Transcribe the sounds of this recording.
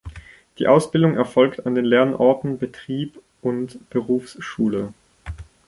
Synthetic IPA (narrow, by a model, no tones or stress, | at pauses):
d̥iːʔaʊsb̥ɪldʊŋʔɛɐfɔlktandeːnlɛɐnʔɔɐtn̩bətʁ̥iːp | ʊntb̥əʁuːfsʃuːlə